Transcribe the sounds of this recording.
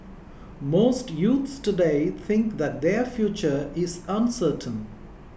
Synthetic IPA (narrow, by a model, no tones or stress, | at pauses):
moːsʈjuːt̪sʈʊɖeɪt̪ʰɪ̃ŋkd̪æʈ̚d̪efjuːt͡ʃəɾɪzə̃nsəːʈʰə̃n